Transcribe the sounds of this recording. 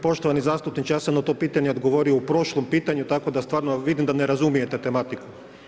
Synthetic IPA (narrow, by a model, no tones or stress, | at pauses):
po̞ʃt̪oʋanizaːst̪upnit͡ʃjaːsanot̪o̞piːt̪aɲeod̪ɡoʋo̞ɾio̞upɾo̞ʃlˠompiːt̪aɲut̪ako̞d̪ast̪ʋaːɾnoʋid̪imd̪aneɾazumijet̪et̪e̞mat̪iku̥